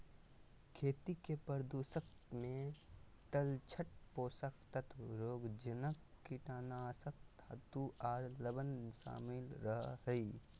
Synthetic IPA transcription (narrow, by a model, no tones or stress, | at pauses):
kʰeːt̪ikepəɾd̪uːsəkt̪mẽt̪əlt͡ʃʰəʈ̚poːsək̚t̪ət̪ʰɾoːɡd͡ʒənəkːiʈaːnaːsək̚t̪a̰t̪uaːɾləbənʃa̰ːmɪlɾəɦɦəi